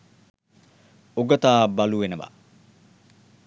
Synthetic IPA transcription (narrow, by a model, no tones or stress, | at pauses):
ʊɡɐt̪aːbɐluːɛnɐbɐ̰